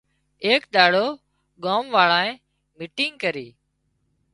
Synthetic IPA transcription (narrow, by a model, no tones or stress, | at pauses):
eːkɗ̪aːɽoː | ɠaːmʋaːɭãːẽː | mɪʈɪ̃ŋɡkəɾiː